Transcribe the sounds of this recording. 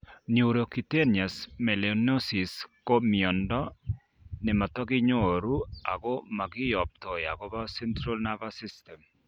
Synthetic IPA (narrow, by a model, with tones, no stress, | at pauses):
niu˨u˨ɾo˨ki˨te˦nja˨smɛ˨leno˦si˨sko˦miɔ˨ndɔ˦ | ne˨ma˨tɔ˦ɣɪ˦ɲoɾu˦a˨ɣo˦ma˨ɣɪ˦jɔ˨p̚tɔ˨ja˨ɣo˦βa˦sɛ˦ntɾa˦lnaβasi˦stɛm